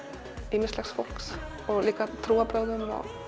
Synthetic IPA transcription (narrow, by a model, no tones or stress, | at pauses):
ɪmɛslaksfɔlks | ɔliːkat̪ʰɾuːabʰɾœd̪ənɔ̰